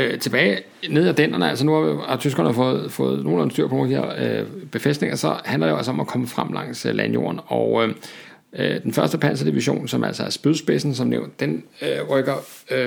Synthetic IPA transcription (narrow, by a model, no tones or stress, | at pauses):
t͡sʰe̝b̥ɛːɪ | ne̝ð̞̰ˠæd̥en̰ɐnəæl̰sɒnuhɑ̈ʋihɑ̈t͡sʰysɡ̥ɐnəɑfɔ̽ːð̞̩ˠfɔ̽ːð̞̩ˠno̝ːln̩syɐ̰pʰnoːldihæɐ̰øb̥e̝fesd̥ne̝ŋɐsɒ̽hænlɐdejoælsɒɒ̽mækʰɒ̽məfʁam̰lɑ̈ŋ̰slænjo̝̰ɐnɒʊ | ød̥enfɶɐsd̥əpʰæn̰sɐd̥iʋiɕo̝̰ːnsɒ̽mʔæl̰sɒæɐsb̥yðˠsb̥esn̩sɒ̽mnḛʊnd̥d̥enøʁœɡ̥ɐ